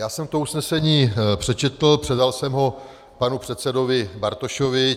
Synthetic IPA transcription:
jaːsɛmt̪ousnɛsɛɲiːpr̝̥ɛt͡ʃɛt̪l̩pr̥ɛdalsɛmɦo̞ | panupr̥ɛt̪sɛdovɪbaɾt̪oʃovɪ

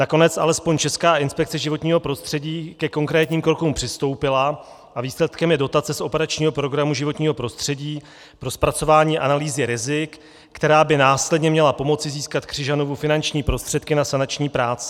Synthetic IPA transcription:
nako̞nɛt͡sʔa̰lɛspo̞ɲt͡ʃɛskaːɪnspɛk̚t͡sɛʒɪvo̞t̪ɲiːɦo̞pɾo̞st̪r̥ɛɟiːkɛko̞ŋkɾɛːt̪ɲiːmkɾo̞kumpr̥ɪst̪o̞wpɪla | ʔaviːslɛt̪kɛmjɛdo̞t̪at͡sɛsʔo̞pɛɾat͡ʃɲiːɦopɾo̞ɡɾamuʒɪvo̞t̪ɲiːɦo̞pɾo̞st̪r̝̥ɛɟiː | pɾo̞spɾat͡so̞vaːɲiːʔanaliːzɪɾɪzɪkː | t̪ɛɾaːbɪnaːslɛdɲɛmɲɛlapo̞mo̞t͡sɪziːskat̪kr̝̥ɪʒano̞vufɪnant͡ʃɲiːpɾo̞st̪r̝̥ɛt̪kɪnasanat͡ʃɲiːpɾaːt͡sɪ̥

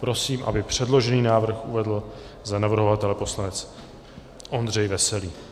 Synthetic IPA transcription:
pɾo̞siːmʔa̰bɪpr̝̥ɛdlo̞ʒɛniːnaːvr̩xʔuvɛdl̩ | zanavr̩ɦovat̪ɛlɛpo̞slanɛt͡s | ʔo̞nd̪r̝ɛjvɛsɛliː

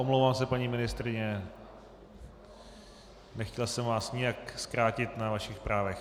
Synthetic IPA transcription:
ʔomlowvaːmsɛpaɲiːmɪnɪst̪ɾɪɲɛ | nɛxcɛlsɛmvaːsɲɪjakskɾaːcɪt̪navaʃɪxspɾaːvɛx

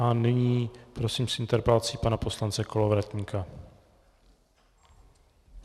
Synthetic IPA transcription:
ʔanɪɲiːpɾo̞siːmsʔɪnt̪ɛɾpalt͡siːpanapo̞slant͡sɛko̞lovɾat̪ɲikʰa

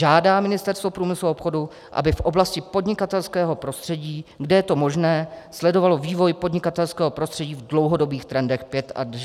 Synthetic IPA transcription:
ʒaːdaːmɪnɪst̪ɛɾst̪vo̞pɾuːmɪsluopxo̞du | ʔa̰bɪfʔo̞blascɪpo̞dɲɪkat̪ɛlskɛːɦo̞pɾo̞st̪r̥ɛɟiːɡdɛjɛt̪o̞mo̞ʒnɛːslɛdo̞valo̞viːvo̞jpo̞dɲɪkat̪ɛlskɛːɦo̞pɾo̞st̪r̝̥ɛɟiːvdlo̞wɦodo̞biːxt̪ɾɛndɛxpjɛt̪ʔa̰d

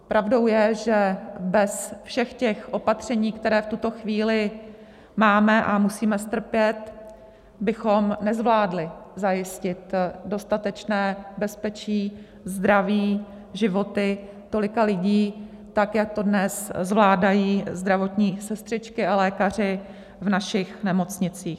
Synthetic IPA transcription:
pɾʔavdo̞wjɛʒɛbɛsfʃɛxcɛxʔo̞pat̪r̝̥ɛɲiːkt̪ɛɾɛːft̪ut̪o̞xviːlɪ | maːmɛʔamusiːmɛst̪r̩pjɛt̪ | bɪxo̞mnɛzvlaːdlɪzajɪscɪt̪do̞st̪at̪ɛt͡ʃnɛːbɛspɛt͡ʃiː | zd̪ɾaviː | ʒɪvo̞t̪ɪ | t̪olɪkalɪɟiː | t̪akjak̚t̪o̞dnɛszvlaːdajiːzd̪ɾavo̞t̪ɲiːsɛst̪r̥ɪt͡ʃkɪalɛːkar̝ɪ | vnaʃɪxnɛmo̞t͡sɲɪt͡siːx

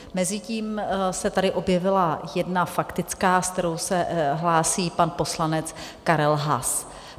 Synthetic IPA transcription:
mɛzɪciːmsɛt̪adɪʔo̞bjɛvɪlajɛdnafakt̪ɪt͡skaːskt̪ɛɾo̞wsɛɦlaːsiːpanpo̞slanɛt͡skaɾɛlɦa̰s

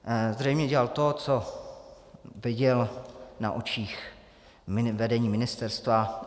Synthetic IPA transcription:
zrɛjmɲɛɟɛlalt̪o̞t͡so | vɪɟɛlna̰ʔot͡ʃiːx | ɪvɛdɛɲiːmɪnɪst̪ɛɾst̪va

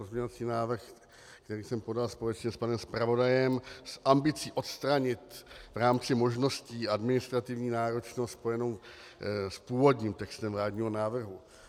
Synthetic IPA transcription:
ozmɲɛɲvat͡siːnaːvr̩x | kkt̪ɛɾiːsɛmpo̞dalspo̞lɛt͡ʃɲɛspanɛmspɾavo̞dajɛmsʔambɪt͡siːʔo̞t̪st̪ɾaɲɪt̪vɾaːmt͡sɪmo̞ʒno̞sciːadmɪnɪst̪ɾat̪ɪvɲiːnaːɾo̞t͡ʃnospo̞jɛno̞w | spuːvo̞dɲiːmt̪ɛkst̪ɛmvlaːdɲiːɦo̞naːvr̩ɦu

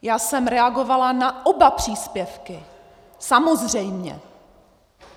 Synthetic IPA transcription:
jaːsɛmɾɛaɡo̞valanaʔobapr̝̥iːspjɛfkɪ | samo̞zr̝ɛjmɲɛ̰

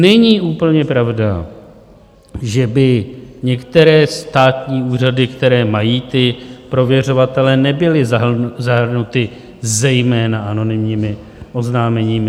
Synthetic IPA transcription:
nɛɲiːʔuːpl̩ɲɛpɾavda | ʒɛbɪɲɛkt̪ɛɾɛːst̪aːt̪ɲiːuːr̝adɪkt̪ɛɾɛːmajiːt̪ɪpɾo̞vjɛro̞vat̪ɛlɛnɛbɪlɪzaɦr̩nut̪ɪ | zɛjmɛːnaʔano̞nɪmɲiːmɪ | ʔo̞znaːmɛɲiːmɪ

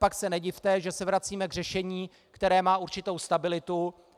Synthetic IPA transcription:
paksɛnɛɟɪft̪ɛʒɛsɛvɾat͡siːmɛɡr̝ɛʃɛɲiː | kt̪ɛɾɛːmaːuɾt͡ʃɪt̪o̞wst̪abɪlɪt̪u

